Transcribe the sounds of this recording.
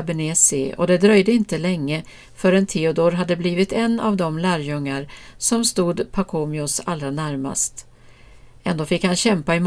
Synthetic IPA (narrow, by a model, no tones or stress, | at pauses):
bɛneːsɪɔ̰d̪ɛd̪ɾœjd̪əɪnt̪əlɛŋːə | fœɾɛnt̪ʰeːʊd̪ɔɾɦad̪ːəbliːvɪt̪ɛnːavd̪ɔmlæːɾjɵŋːaɾsɔmst̪uːd̪pʰakʰoːmɪʊsalːɾanæɾma̰st̪ | ʔɛnd̪oːfɪkhanɕɛmpaɪm